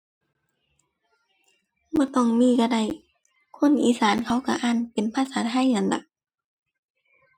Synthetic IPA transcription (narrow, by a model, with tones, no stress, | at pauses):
bɔː˧˦t̪ɔ˧˩˨ŋmiː˧˥˨ka˧˩da˧˩j | kʰo˧˥˨nʔiː˨˦saː˨˦nkʰa˧˥˦wka˧ʔaː˧˩˨npe˨npʰaː˧˨saː˨˦t̪ʰa˧˥˨jna˧˩nda̰˨˧˦k̚